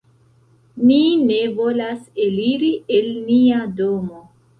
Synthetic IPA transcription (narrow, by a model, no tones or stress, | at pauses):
nine̞vo̞laseliɾie̞lniado̞mo̞